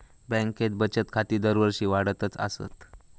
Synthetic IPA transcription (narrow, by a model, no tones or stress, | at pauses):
bɛ̃ŋket̪̚bət͡ɕət̪kʰat̪iːd̪əɾʋəɾɕiːʋaɽət̪ət͡sa̰sə̰t̪